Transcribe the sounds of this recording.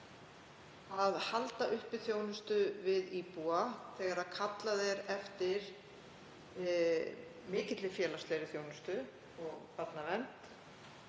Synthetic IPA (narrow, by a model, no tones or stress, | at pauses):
aðhalt̪aʔʏhpɪθjoːwnʏst̪ʏvɪðiːpuaθɛːɣaɾaðkʰat̪laðɛɾɛft̪ɪɾ̥ | mɪːcɪt̪lɪfjɛːlast̪ɛɾɪθjownʏst̪ʏ | ɔɣpat̪namɛnt̪